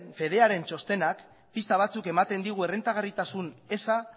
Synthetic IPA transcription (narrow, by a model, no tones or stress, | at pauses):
nfe̞ð̞e̞aɾe̞nt͡ʃo̞st̪e̞nak | pist̪aβ̞at͡suke̞mat̪e̞nd̪iɣ̞ue̞re̞nt̪aɣarit̪asune̞sa